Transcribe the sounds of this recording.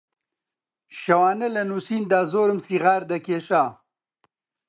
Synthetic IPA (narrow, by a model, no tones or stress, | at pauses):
ɕɐwaːnɐlɐnusiːnd̪aːzoːɾɐmsiɣaːɾd̪ɐkeʃaː